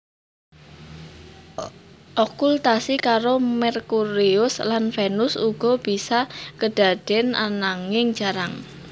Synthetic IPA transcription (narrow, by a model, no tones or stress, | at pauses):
ʔɔkult̪asikaɾomɛrkuɾiʊslanfɛnʊsuɡ̥ɔ̤b̥isakəɖ̥a̤d̪̥ɛnanaŋɪŋd͡ʒ̥aɾaŋ